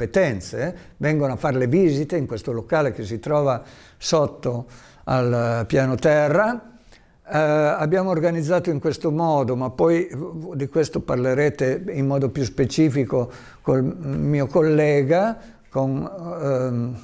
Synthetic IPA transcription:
pet̪ɛnt̪sevɛŋɡonoafːarleviːzit̪eiŋkwest̪olokaːlekes̬it̪ɾɔːva | sot̪ːo | alpjaːnot̪ɛrːa | abːjaːmoːrɡanid̪zːaːt̪oiŋkwest̪omɔːd̪omapːɔjd̪ikwest̪oparleɾeːt̪eimːɔːd̪opjuspet͡ʃiːfiko | kolmiːokolːɛːɡa | kon

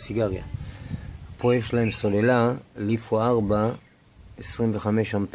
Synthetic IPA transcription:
siɡaʁja̰ | hapojefʃlae̞mso̞lelalifoaʁba | esʁimveχame̞ʃhamp

